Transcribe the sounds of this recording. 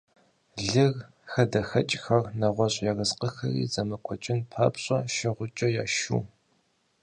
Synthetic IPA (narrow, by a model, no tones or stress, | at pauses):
ɮɨɣ | xɐdɐxɐt͡ʃʼxɐrnɐʁʷɔɕʼjaɣɐzqəxɐ̰rḭːzɐmɐkʷʼɔt͡ʃʼɪnpʰɐ̰ːpɕʼɐʃɪʁʷʊt͡ʃʼɐjaːʃṵː